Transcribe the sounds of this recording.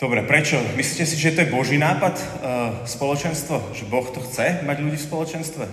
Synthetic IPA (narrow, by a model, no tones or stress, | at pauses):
d̪ɔbɾɛpɾɛt͡ʃɔmisliːcɛsiʒɛt̪ɔjɛbɔʒiːnaːpat̪spɔlɔt͡ʃɛnst̪ʋɔʒɛbɔxt̪ɔxt͡sɛmaɟʎuɟiːfspɔlɔt͡ʃɛnst̪ʋɛ